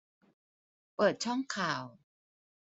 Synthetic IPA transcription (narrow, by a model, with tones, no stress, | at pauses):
pɤː˨˩t̪̚t͡ɕʰɔ˥˩ŋkʰaː˨˩w